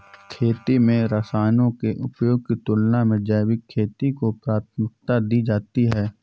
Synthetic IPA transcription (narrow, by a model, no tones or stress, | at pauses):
kʰeːt̪imẽɾəsaːnõkeʔʊpjoːɡ̚kit̪ʊlnamẽd͡ʒɛːwɪkʰːeːt̪ikopɾaːt̪ʰmɪk̚t̪ad̪iːd͡ʒaːt̪iɦɛː